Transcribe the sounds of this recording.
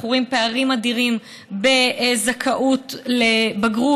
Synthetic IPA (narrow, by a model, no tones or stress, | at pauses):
χuʁimpeaʁimad̪iʁim | bezakʰaʔutlebaɡʁu